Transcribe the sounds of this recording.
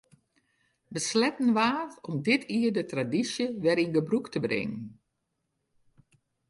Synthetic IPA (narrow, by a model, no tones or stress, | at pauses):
ʋəslɛtn̩ʋaːɔmdɪtʰiːədətradisjəʋɛɾinɡəbruktəbrɪ̰ŋən